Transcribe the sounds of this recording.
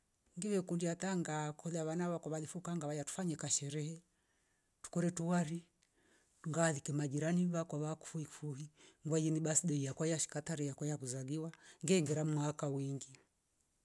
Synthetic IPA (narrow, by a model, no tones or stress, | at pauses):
ŋɡiwɛkundiat̪aŋɡakʰɔðaβanaβakwaβaðifukaŋɡaβajatu̥faɲɛkaʃɛɾɛhɛ | tu̥kɔɾɛtuwaɾi | ŋɡaðikɛmad͡ʒiɾaniβakwaβaku̥fuifuhiŋɡwajiniɓasiɗɛijakwajaʃi̥kataɾijakwajakuzaliwaŋɡɛŋɡɛɾamwakawiŋɡi